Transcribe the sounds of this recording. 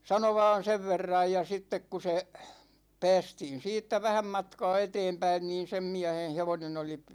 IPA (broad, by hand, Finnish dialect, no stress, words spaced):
sɑno ʋɑːn̞ seʋ ʋerːɑj jɑ sitːek ku se pæ̝ːstiːn̞ siːtːæ ʋæhæm mɑtkɑː eteːmpæin niːn sem miæhen heʋonen oli